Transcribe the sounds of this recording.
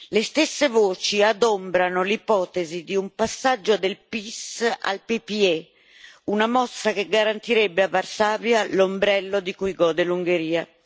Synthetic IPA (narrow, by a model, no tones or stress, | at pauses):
lest̪esːevoːt͡ʃiad̪ombɾanolipɔːt̪ezid̪iumpasːad͡ʒːod̪elpisa̰lpipiɛ | unamɔsːakeɡaɾant̪iɾɛbːeavarsaːvjalombɾɛlːod̪ikujɡɔːd̪eluŋɡeɾiːa